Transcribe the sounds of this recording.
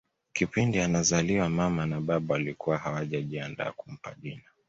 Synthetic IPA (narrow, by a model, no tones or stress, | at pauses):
kipindianazaliwamamanaɓaɓawalikuwahawaʄaʄianda̰ːkum̩pa̰ʄina